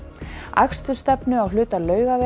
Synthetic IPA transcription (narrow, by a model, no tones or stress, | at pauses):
a̰kst̪ʏst̪ɛpnʏawlʏːt̪alœːɥɣave